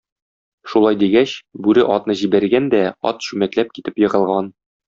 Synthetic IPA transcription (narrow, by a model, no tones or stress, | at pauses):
ʃulˠɑjd̪iɡæɕbʉɾɘʔɒt̪nɤʑibæɾɡænd̪æɒ̰t̪ɕʉmæt̪læp̚kit̪ɘpjɤ̆ʁɤ̆lˠʁɑn